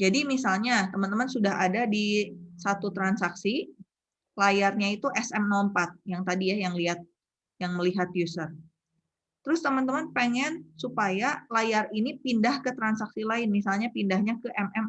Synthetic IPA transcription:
d͡ʒadimis̬alɲat̪əmãnt̪əmansudaɦadadisat̪ut̪ɾansaksi | lajarɲait̪uʔɛsɛmnɔmpat̪̚jaŋt̪adijajaŋliɦat̪̚ | jaŋməliɦat̪̚jusər | t̪əɾʊst̪əmant̪əmanpeŋɛnsupajalajarinipindahkət̪ɾansaksilaɪnmisalɲapindahɲakəʔɛmɛm

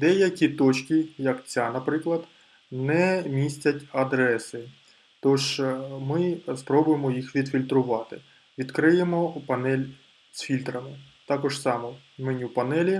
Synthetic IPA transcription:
d̪ɛjɐkʲit̪ɔt͡ʃʲkʲijɐkt͡sʲanɐpɾɪklˠɐd̪ | nɛmʲisʲtʲɐtʲɐd̪ɾɛsɪ | t̪ɔʒmɪspɾɔbʊjemɔjixʋʲid̪fʲilʲt̪ɾʊʋɑt̪ɪ̰ | ʋʲid̪kɾɪjemɔpɐnɛlʲ | sʲfʲilʲt̪ɾɐmɪ | t̪ɑkɔʒsɑmɔ | mɪnʲiwpɐnɛlʲi

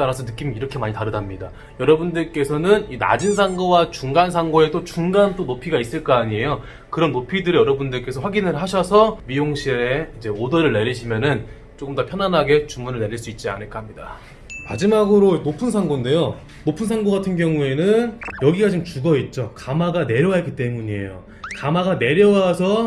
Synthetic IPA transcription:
anasʰʌnɯk͈imiiɾʌkʰe̞maɲitaɾɯdamɲida | jʌɾʌbundɯɭk͈e̞sʰʌnɯnina̰d͡ʑinsʰaŋɡʌwat͡ɕuŋɡansʰaŋɡoe̞dot͡ɕuŋɡant͈onopʰiɡais͈ɯɭk͈aːɲie̞jo | kɯɾʌnːopʰidɯɾijʌɾʌbundɯɭk͈e̞sʰʌɸwaɡinɯɭɦaɕʰʌsʰʌmijoŋɕʰieid͡ʑe̞odʌɾɯɭne̞ɾiɕʰimjʌnɯn | t͡ɕ͈ok͈ɯmdopʰjʌnanɦaɡe̞t͡ɕumːunɯɭne̞ɾiɭs͈uit̚t͡ɕ͈ia̰nɯɭk͈ahamɲida̰ | ma̰d͡ʑimaɡɯɾonopʰunsʰaŋɡonde̞jo | nopʰunsʰaŋɡoɡatʰɯnɡjʌŋue̞nɯnjʌɡiɡat͡ɕimt͡ɕuɡʌit̚t͡ɕ͈okamaɡane̞ɾjʌwak͈it͈e̞muɲie̞̰jo̰ | kamaɡane̞ɾjʌwasʰʌ

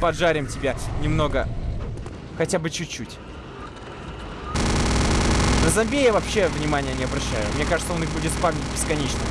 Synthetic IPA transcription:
pɐdʐaɾʲɪmtʲɪbʲanʲɪmno̞ɡə | xɐtʲabɨt͡ɕʉt͡ɕːutʲ | nəzɐmʲbʲejavɐpɕːe̞vnʲɪmanʲɪjənʲɪɐbɾɐɕːæjʊmnʲe̞kaʐɨt̪səo̞nɨxbudʲɪt̪spavnʲɪt̚ʲbʲɪskɐnʲet͡ɕnə

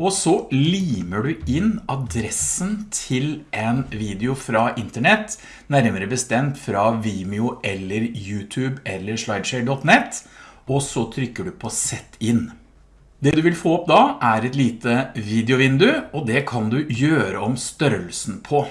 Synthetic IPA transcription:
ɔsɔliːməɖʉɪnɑd̪ɾɛsənt̪ʰɪlʔɛnʋiːd̪ɪʊfɾɑʔɪnt̪əɳɛt̪ː | næɾməɾəbəst̪ɛmt̪fɾɑʋiːmɪʊɛlːəɾjʉːt̪ʰʉːbɛlːəɾʂlɑɪd̪ʂɛɖɔt̪nɛt̪ːɔsɔt̪ʰɾʏkːəɖʉpʰɔsɛt̪ʰːɪn | d̪ɛd̪ʉʋɪlfoːɔpd̪ɑʔæɾɛt̪liːt̪əʋiːd̪ɪʊʋɪnd̪ʉɔd̪ɛkʰɑnd̪ʉjøːɾəɔmst̪œɾəlsn̩pʰɔ

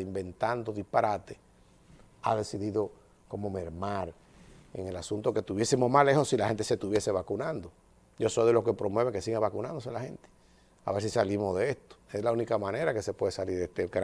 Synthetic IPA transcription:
imbe̞nt̪and̪oðihpaɾat̪e | a̰ðe̞siðiðo̞ | ko̞mo̞meɾmaɾ | ḛŋe̞lasunt̪oke̞t̪uβje̞simoɦmale̞hosilahe̞nt̪ese̞t̪uβje̞se̞βakunãnd̪o | ʝo̞so̞jðe̞loskepɾomweβeŋkesiɣeβakunãnd̪o̞s̬elahe̞̰nt̪e̥ | a̰βe̞ɾsisalimo̞zðeest̪o̥eslaunikamãne̞ɾake̞se̞pwe̞ðesaliɾðeht̪ekɾ

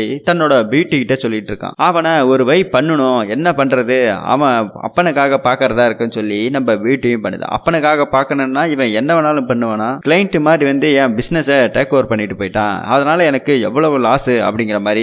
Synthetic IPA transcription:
it̪ɐnːoːɽɐʋiːʈːɯkɪʈːesɔlːɪʈːɪɾɯkːã̰ːaːʋɐnaːɔɾɯʋɐɪpːɐɳːɯɳʊ̃ɛnːɐpɐɳɾɐðɯa̰ːʋɐ̃ɐ̰pːɐnɯkːaːɣɐpaːɾkɐɾɐðãːɪɾɯkːɯnːɯsɔlːinɐmbɐʋiːʈːɯjʊ̃pɐɳːɯðã̰ʔɐ̰pːɐnɯkːaːɣɐpaːɾkɐɳɯnnːaːɪʋɐ̃ɛnːɐʋɐnaːlɯ̃mpɐɳːɯʋɐ̃ːnaːkɪlɐjɪnʈːɯmaːd̪ɾiʋɐnd̪ɯɛ̃ːbɪsnɛsɐʈeːkoːʋɾpɐɳːɪʈːɯpoːjɪʈːã̰ːɐðɐnaːlɐɛnɐkːɯɛ̰ʋːɐɭɐʋɯlaːsɯɐ̰pːɐɽɪŋɡɪɾɐmaːd̪ɾi

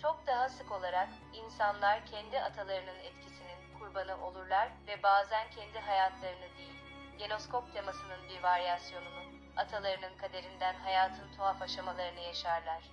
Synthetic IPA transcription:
t͡ʃʰo̞k̚d̪aɦasɯko̞lˠaɾak | insanlˠaɾcʰɛnd̪iat̪ʰalˠaɾɯnɯnɛt̪cʰisininkʰuɾbanɯʔo̞lˠuɾlˠaɾvɛbaːzæncʰɛnd̪iɦajat̪ʰlˠaɾɯnɯd̪ejilʲ | ɟe̞no̞skʰo̞p̚t̪ʰe̞masɯnɯnbiɾvaɾjasjo̞nunu | at̪ʰalˠaɾɯnɯnkʰad̪e̞ɾind̪ænɦajaːt̪ʰɯnt̪ʰoɦafaʃamalˠaɾɯnɯjaʃaɾlˠaɾ̥

